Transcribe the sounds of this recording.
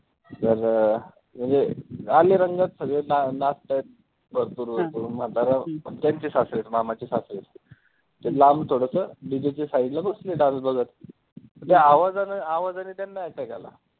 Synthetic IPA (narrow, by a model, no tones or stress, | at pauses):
səɾ | m̤ənd͡zealeɾəŋɡat̪səɡɭenanast̪ajet̪̚ | bəɾpuːɾbəɾpuːɾmat̪laɾat̪jaɲt͡ɕiːsasɾet͡smamat͡ɕiːsasɾet͡s | t̪elamt̪ʰoɽəsəbid̪et͡ɕisaiɖlabəsleɖanbəɡʱət̪ | mət̪ɛaʋad͡zanəaʋad͡zaniːt̪janːaaʈaka̰la̰